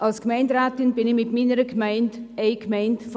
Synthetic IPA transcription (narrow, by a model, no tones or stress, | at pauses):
ʔɑlskmaɪndɾaːtɪnb̥ɪnɪmɪtmiːnəɾəkmaɪndeɪkmaɪntf